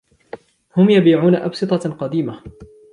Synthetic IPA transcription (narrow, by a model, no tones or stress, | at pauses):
hʊmjabiːʕuːnaʔɑ̰bsɨt̪ˤɑqɑd̪iːma